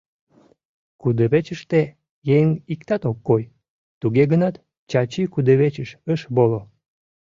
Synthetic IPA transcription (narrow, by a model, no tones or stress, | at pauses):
kud̪əβet͡ɕəʃt̪e | jeŋikt̪ɑt̪okːoj | t̪uɣeɣənɑt̪ | t͡ɕɑt͡ɕikud̪əβet͡ɕəʃəʃβolo